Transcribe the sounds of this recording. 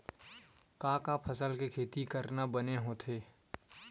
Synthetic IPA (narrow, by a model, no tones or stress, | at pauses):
kãːkapʰəsəlkekʰeːt̪ikəɾnabəneɦoːt̪ʰeː